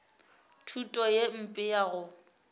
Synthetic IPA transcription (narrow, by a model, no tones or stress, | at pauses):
tʰutʼɔjem̩pʼɪjaɣʊ